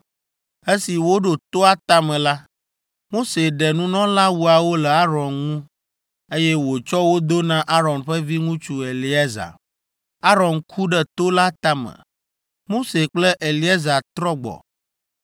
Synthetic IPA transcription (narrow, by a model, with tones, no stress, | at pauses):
e˦si˨wo˦ɖo˨t̪o˦a˦t̪a˦mɛ̃˨la˦ | mo˦se˨ɖɛ˨nũ˦nɔ̃˦la˦wu˨a˨wo˦lɛ˨a˦ɾɔ˨nŋũ˦ | e˦jɛ˦wo˨t͡ʃɔ˦wo˦d̪o˦nã˦ʔa˦ɾɔ̃˨nɸɛ˦vi˦ŋũ˦t͡ʃu˦e˨li˦e˦za̰˨ | a˦ɾɔ˨nkʰu˦ɖɛ˦t̪o˦la˦t̪a˦mɛ̰̃˨ | mo˦se˨k͡plɛ˦ʔe˨li˨˦e˦za˨t̪ɾɔ˦ɡ͡bɔ̰˨